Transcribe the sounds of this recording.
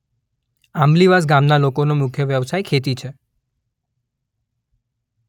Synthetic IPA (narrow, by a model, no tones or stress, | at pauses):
amliʋasɡamnalokonomʊkʰjəʋjəʋsajkʰet̪̬it͡ʃʰe